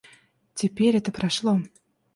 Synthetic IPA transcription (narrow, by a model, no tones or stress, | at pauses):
tʲepʲeɾʲɛt̪əpɾaʃlˠo